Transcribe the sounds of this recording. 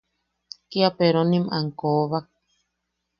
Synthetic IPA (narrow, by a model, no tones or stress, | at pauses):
kiapeɾonĩmaŋkoβak̚